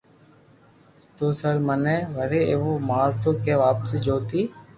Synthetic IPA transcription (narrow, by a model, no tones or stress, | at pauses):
t̪oːsəɾmənɛ̃ːʋəɾeːeːʋoːmaːɾt̪oːkeːʋaːpseːd͡ʒoːt̪iː